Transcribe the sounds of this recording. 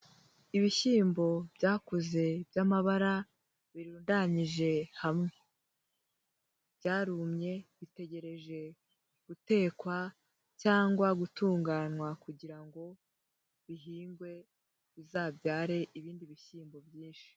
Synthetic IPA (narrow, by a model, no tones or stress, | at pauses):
iβiçiːmbo̞bɟaːkuze̞bjaːmaβaɾa | βiɾuːndaɲiʒe̞hamŋe̞ | b̥ɟaːɾumɲe̞βite̞ɟe̞ɾe̞ʒe̞ | ɡ̥ute̞ːkwa | caːŋɡwaɡutuːŋɡaːnwakuɟiɾaŋɡo̞ | βiɦiːŋɡwe̞ | βizaːbɟaːɾe̞ʔiβiːndiβiçiːmbo̞bjiːnʃi̥